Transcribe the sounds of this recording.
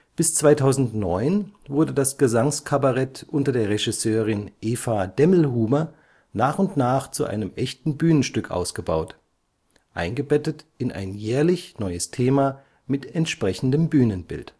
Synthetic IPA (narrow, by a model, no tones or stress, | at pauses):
b̥ɪst͡sv̥aɪtʰaʊzn̩tnɔʏnvʊɐdədasɡ̥əzaŋskʰabaʁɛtʔʊntɐdeːɐʁeʒɪsøːʁɪnʔeːfadɛml̩ɦuːmɐ | naːχʊntnaːχt͡suʔa̰ɪnəmʔɛçtn̩byːnənʃtʏkʰʔa̰ʊsɡ̥əba̰ʊt | ʔa̰ɪnɡəbɛtət | ɪnʔa̰ɪnjɛːɐlɪçnɔʏəstʰeːma | mɪtɛntʃpʁ̥ɛçn̩dəmbyːnənbɪ̰lt